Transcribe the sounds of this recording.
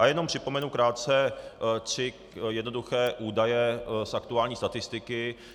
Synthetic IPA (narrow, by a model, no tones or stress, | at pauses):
ʔajɛno̞mpr̥ɪpo̞mɛnukɾaːt̪̚t͡sɛt̪r̝̥ɪ | jɛdno̞duxɛːʔuːdajɛsʔakt̪uaːlɲiːst̪at̪ɪst̪ɪkɪ